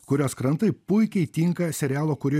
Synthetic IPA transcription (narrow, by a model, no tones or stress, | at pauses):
kʊɾʲoːskɾɐnt̪ɐɪpʊɪkʲɛɪt̪ʲɪŋkɐsʲɛɾʲæːlˠoːkʊɾʲɪː